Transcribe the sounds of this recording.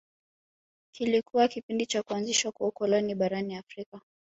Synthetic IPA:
kilikʰuwakipindit͡ʃakuanziʃwakwaukɔlɔniɓaɾaniafɾika

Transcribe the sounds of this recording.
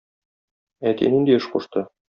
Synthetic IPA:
æt̪ḭnind̪iɤʃquʃt̪ɤ

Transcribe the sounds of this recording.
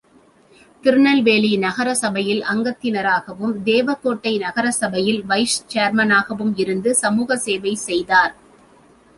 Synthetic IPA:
t̪ɪɾɯɳɐlʋeːlinɐɣɐɾɐsɐbɐjɪlɐŋɡɐt̪ːɪnɐɾaːɣɐʋɯmd̪eːʋɐt̪ːoːʈːɐɪnɐɣɐɾɐsɐbɐjɪlʋɐɪst͡ʃeːɾmɐnaːɣɐʋɯmɪɾɯnd̪ɯsɐmuːɣɐseːʋɐɪsɛjðaːɾ

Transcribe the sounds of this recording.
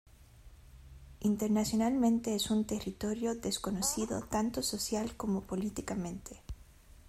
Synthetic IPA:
int̪eɾnasjo̞nalmẽnt̪eesunt̪erit̪o̞ɾjo̞ðesko̞nosiðo̰t̪ant̪o̞sosjalko̞mo̞po̞lit̪ikamẽ̞nt̪ʰe̥

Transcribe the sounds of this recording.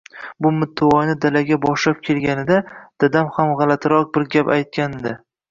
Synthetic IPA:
bʊmʊt̪ʰːɪɒnɪd̪alaɡʲabɒʃlap̚kʲʰe̞lɡʲanɪd̪ad̪̥ad̪amhamʁɑlat̪ʰɾɒq̚bɪɾɡʲapa̰jt̪̚kʲand̪ɪ

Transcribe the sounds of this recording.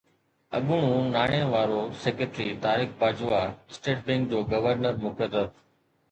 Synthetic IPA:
ɐɠʊɽ̃ũnaːɽ̃eʋaːɾoseːkeʈɾit̪aːɾɪxbaːd͡ʑʋasʈeːʈ̚bɛ̃ːŋk̚d͡ʑoːɡɐʋəɾnəɾmʊkəɾəb

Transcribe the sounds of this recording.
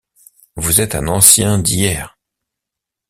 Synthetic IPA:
vuzɛt̪ɛ̰̃nɑ̃sjɛ̃d̪ijɛːʁ

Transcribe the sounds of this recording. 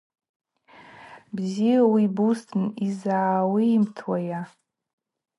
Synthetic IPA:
bzijawibustʰnizaːwiːmtʰwaja

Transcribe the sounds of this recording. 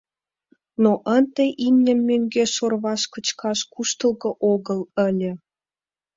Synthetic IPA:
noʔənt̪ĕʔimʲnʲə̆mːøŋɡeʃorβɑʃkə̆t͡ɕkɑʃkuʃt̪ə̆lˠɣɤ̆ʔoɣələ̆lʲə̆

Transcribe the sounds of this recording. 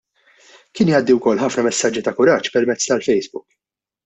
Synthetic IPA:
kɪːnjɐːd̪ːiwkɔlːħɐfnɐmɛsːɐd͡ʒːit̪ɐkʊɾɐːt͡ʃpɛɾmɛt͡sːt̪ɐlfɛjsbʊk

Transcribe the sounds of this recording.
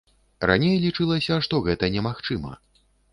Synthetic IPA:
ra̰nʲejlʲit͡ʂɨlˠɐsʲɐʂt̪ɔɣɛt̪ɐnʲɛmaxt͡ʂɨmɐ̰

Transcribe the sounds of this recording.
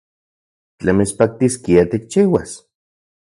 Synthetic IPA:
t͡ɬemespak̚t̪iskiat̪ik̚t͡ʃiːwas

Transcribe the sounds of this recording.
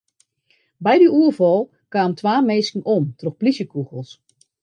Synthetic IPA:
bɛjdyuərvɔlˠ | kaːmtʋaːmeːskŋ̩omtroxplisjəkuɣəlˠs

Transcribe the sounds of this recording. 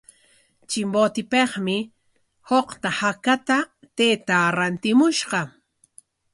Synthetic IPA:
t͡ʃɪmbot̪ɪpeχmɪ | hoqt̪ahakat̪a | t̪eːt̪aɾant̪ɪmʊʃɢɑ

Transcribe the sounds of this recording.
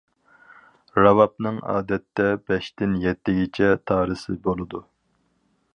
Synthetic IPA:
ɾɑvɑp̚nɨŋɑ̰ːd̪ɛt̪ːɛbɛʃt̪ɪnjɛt̪ːɪɡʲit͡ʃʰɛt̪ʰɑːɾɨsɨbolˠɨd̪u

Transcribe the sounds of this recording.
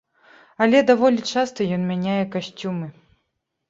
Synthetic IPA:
ɐlʲɛd̪avɔlʲit͡ʂast̪ɐjɔnmʲanʲajɛkaɕʲt͡sʲumɨ

